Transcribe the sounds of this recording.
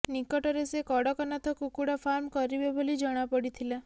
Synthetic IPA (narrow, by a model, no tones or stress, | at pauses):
nikɔʈɔɾesekɔɽɔkɔnat̪ʰɔkukuɽafʰaɾmkɔɾibɔbʱolid͡ʒɔɽ̃apɔɽit̪ʰila